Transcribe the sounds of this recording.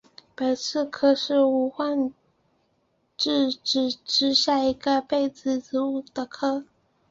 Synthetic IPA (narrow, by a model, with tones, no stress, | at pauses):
pə˨˩nsɹ̩˥˧kʰɤ˥ʂɻ̩˥˩u˧˥xwa˥˧n | ʈ͡ʂɻ̩˥˧ʈ͡ʂ̩˨˩ʈ͡ʂɻ̩˥ɕja˥˩i˧˥ɡə˧pe˥˩ɪt͡sɹ̩˧˥t͡sɹ̩˧˥u˥˩d̪ə˩kʰɤ˥